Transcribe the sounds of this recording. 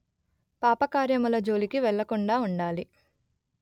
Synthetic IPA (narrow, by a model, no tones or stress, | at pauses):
paːpɐkaːɾjɐmulɐd͡ʒo̞ːlikiʋɛɭːɐkuɳɖaːuɳɖaːli